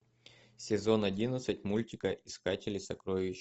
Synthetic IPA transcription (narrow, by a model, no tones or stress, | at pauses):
sʲɪzo̞nɐdʲinət̪sɨtʲmulʲtʲɪkəʔɪskatʲɪlʲɪsɐkɾoɪɕ